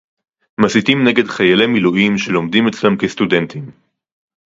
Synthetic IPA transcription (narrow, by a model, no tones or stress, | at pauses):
masitimne̞ɡedχajalemiluʔimʃelo̞md̪imet͡slamkest̪ude̞nt̪im